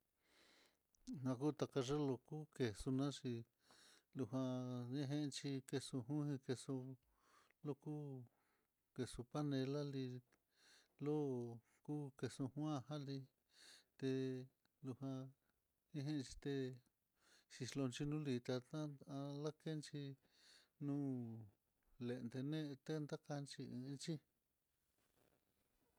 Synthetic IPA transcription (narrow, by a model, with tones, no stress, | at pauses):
nã˧ku˦t̪a˧ka˧ʐe˦lo˧ku˦ke˨su˧nã˦ʂi˧ | lu˧ɦã˧ĩ˦ɦẽ˦ʔt͡ʃi˧ke˧su˧ɦũ˦hĩ˧ke˧su˧ | lo˦ku˦ | ke˨su˧pa˦nẽ˧la˦li˧ | lo˦ | ku˦ke˧su˧hw̃ã˦˧hã˦li˧ | t̪e˧ | lu˧hã˧ | ĩ˦ɦẽ˦˧t͡ʃi˧t̪e˧ | ʃi˧slo˧nt͡ʃi˧nũ˦li˧t̪a˧t̪ã˦a˧la˦ke˦nt͡ʃi˧ | nũː˦ | le˧˨˧nd̪e˧nẽ˦˧t̪e˦nd̪a˦ka˧nt͡ʃi˧ĩ˧nt͡ʃi˦